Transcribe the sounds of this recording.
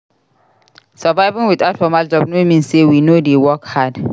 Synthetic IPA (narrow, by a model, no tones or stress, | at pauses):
savaɪvĩŋwidatfɔmald͡ʒɔb̚nomĩnsewinodewɔkhad